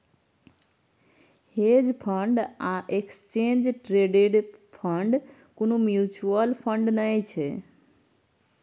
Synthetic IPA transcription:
hed͡ʒpʰəɳɖaʔekst͡ʃẽnd͡ʒʈɾeɖeɖpʰəɳɖ | konũmjut͡ʃuəlpʰəɳɖnəjt͡ʃʰe

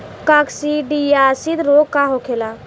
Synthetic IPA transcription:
kaksiɖijasid̪ɾokaɦokʰela

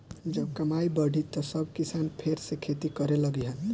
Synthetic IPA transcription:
d͡ʒəb̚kəmaibəɽ̤ʱit̪ːɔsʌbʱkisanpʰeɾsekʰet̪ikʌɾeləɡiɦən

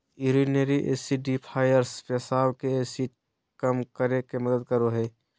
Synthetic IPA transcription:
iɾineɾiʔḛːsiɖipʰaːjəɾspɛsaːwkeeːsiːʈ̚ | kəmkəɾekeməd̪əd̪̚kəɾoɦɛː

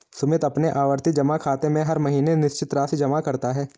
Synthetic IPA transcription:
sʊmɪt̪ɐpneʔaːʋəɾt̪id͡ʒɐmakʰaːt̪emẽɦɐɾmɐɦiːnenɪʃt͡ʃɪt̪ɾaːsid͡ʒɐmakɐɾt̪aɦɛː

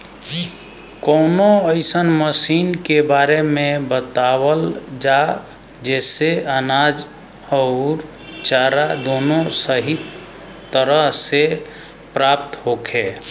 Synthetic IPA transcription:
konoəɪsənməsinkebaɾemẽbət̪awəld͡ʒa | d͡ʒɛseənad͡ʒ | ɔɾ | t͡ʃaɾad̪onosəɦit̪ | t̪ːəɾəɦse | pɾapt̪ɦokʰe

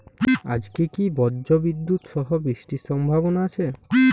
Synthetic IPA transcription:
a̰d͡ʑkekibɔdd͡ʒobid̪ːut̪ʃɔɦobɾiʃʈiʃɔmbʱaβonaat͡ɕʰe

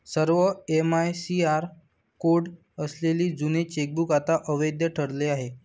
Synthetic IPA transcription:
səɾʋəemajsiaɾ | koɽ | əsleliːd͡zunet͡ɕek̚bukat̪aʔəʋəjd̪jəʈʰəɽleaɦe

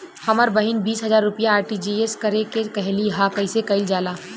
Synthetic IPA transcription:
hɐməɾbɐɦɪnbiːsɦɐzaːɾːʊpijaːɾʈid͡ʒieskɐɾekekɐɦliɦakɐɪsekɐɪld͡ʒaːlaː

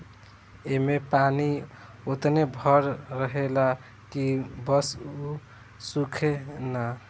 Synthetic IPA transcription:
emepaniot̪nebʱəɾɾəɦela | kibəsu | sukʰena

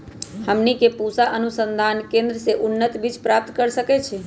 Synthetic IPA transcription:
həmnikepusaʔənusənd̪ʱankẽnd̪ɾəseʔunːət̪bit͡ʃpɾap̚t̪kəɾsəkɛt͡ʃʰɛ

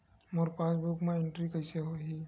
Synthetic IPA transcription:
moɾpasbukmẽeɳʈɾikəseɦoɦi

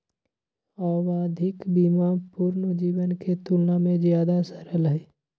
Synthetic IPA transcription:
ɔːʋaːd̪ʱɪkbiːmapʊɾnəd͡ʒiːʋənket̪ulnamẽzjaːd̪asəɾəlɦɛː

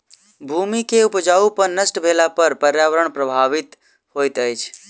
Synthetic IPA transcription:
bʱumikeupd͡ʒaupəɾnəsʈbʱelapəɾpəɾjaʋəɾəɳ̃pɾəbʱaʋit̪ | hojt̪əjt͡ʃʰ

